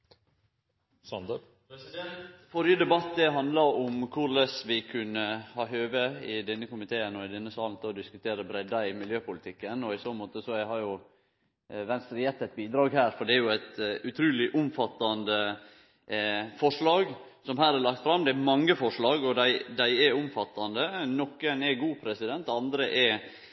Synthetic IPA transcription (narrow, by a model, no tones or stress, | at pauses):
sɑnd̪ə | fɔɾjəd̪ɛbɑt̪ːd̪ɛɦɑnd̪lɑɾɔmkʰʊɾlɛsʋɪkʰʉnːəhɑːɦøːʋəɪd̪ɛnːəkʊmɪt̪ʰeːənɔɪd̪ɛnːəsɑːln̩t̪ʰɛɔd̪ɪskʉt̪ʰeːɾəbɾɛd̪ːɑɪmɪljøːpʊlɪt̪ʰɪkːənɔɪsoːmoːt̪əsɔæhɑɾjʊ | ʋɛnst̪ɾəjɛt̪ːɛt̪̚biːd̪ɾɑːɡɦæːɾfɔɖɛæɾjʊæɪt̪ʉt̪ʰɾʉːlɪʔʊmfɑt̪ːɑnd̪ə | fɔʂɭɑːɡ | sɔmhæːɾɛɾlɑk̚t̪fɾɑmd̪ɛæmɑŋːəfɔʂɭɑːɡɔd̪æɪd̪æɪɛʊmfɑt̪ːɑnd̪ənɔkːənɛɡuːpʰɾɛsɪd̪ɛnt̪ɑnd̪ɾəʔɛɾ